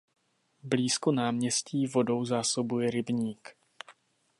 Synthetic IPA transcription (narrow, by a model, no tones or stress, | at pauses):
bliːskonaːmɲɛsciːvo̞do̞wzaːso̞bujɛɾɪbɲiːk